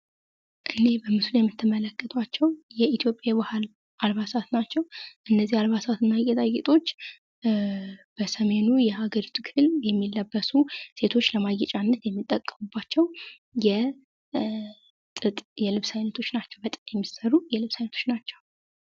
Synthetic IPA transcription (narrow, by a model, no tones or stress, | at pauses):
ʔɨne̞bəmɨsljɛmːɨt̪ʰːɨmələkːət̪ʰʼwat͡ʃːɛwjɛit̪ʰijo̞pʼːjabahal | ʔalβasat̪nat͡ʃːɛwʔɨnːəzihalβasat̪ɨnːaɡet̪ʼaɡet̪ʼo̞t͡ʃː | b̥əsəme̞nujɛhaɡəɾit̪ʰɨkʰɨljɛmːilːəbːəsuse̞t̪ʰo̞t͡ʃːləmaɡɛt͡ʃʼanːət̪jɛmːit̪ʼːəkʼːəmubːat͡ʃːɛw | jɛ | t̪ʼɨt̪ʼjɛlɨβsajnət̪ʰo̞t͡ʃːnat͡ʃːɛwbət̪ʼɨt̪jɛmːisəɾujɛlɨβsajnət̪ʰo̥t͡ʃnat͡ʃːɛw